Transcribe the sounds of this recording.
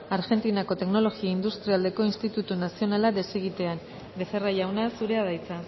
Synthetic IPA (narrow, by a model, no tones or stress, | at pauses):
aɾɣe̞nt̪inako̞t̪e̞kno̞lo̞ɣiaind̪ust̪ɾiald̪e̞ko̞inst̪it̪ut̪unasio̞nalaðe̞siɣit̪e̞an | be̞fe̞rajawnasuɾe̞að̞ajt͡sa